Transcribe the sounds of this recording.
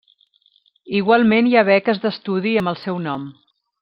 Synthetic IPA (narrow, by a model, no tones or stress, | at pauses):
iɣwalˠmenjaβɛkəzðəst̪uðiəmbəlˠsɛwnɔm